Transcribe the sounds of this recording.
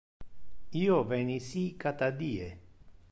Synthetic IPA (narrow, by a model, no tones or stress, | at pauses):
iːovɛnisikat̪ad̪iːe